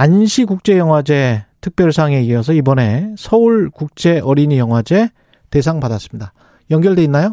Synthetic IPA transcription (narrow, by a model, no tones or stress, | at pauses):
anɕʰikuk̚t͡ɕ͈e̞jʌŋɦwad͡ʑe̞tʰɯk̚p͈jʌɭsʰaŋe̞iʌs̬ʰʌibʌne̞sʰʌuɭkuk̚t͡ɕ͈e̞ʔʌɾinjʌŋɦwad͡ʑe̞ | te̞sʰaŋpadas͈ɯ̥mɲida | jʌŋɡjʌɭde̞inːajo